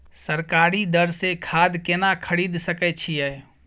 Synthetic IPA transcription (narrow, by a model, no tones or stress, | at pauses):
səɾkaɾid̪əɾsekʰad̪kenakʰəɾid̪səkɛt͡ʃʰijɛj